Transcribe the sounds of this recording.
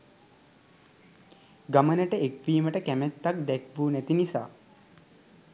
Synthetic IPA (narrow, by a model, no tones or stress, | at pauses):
ɡamənəʈəekʋiːməʈəkæmæt̪ːak̚d̪ɛkʋuːnæt̪inisa̰ː